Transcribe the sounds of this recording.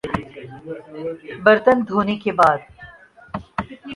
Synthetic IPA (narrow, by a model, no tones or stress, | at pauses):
bɐɾt̪ənd̪ʱuːnekebaːd̪̚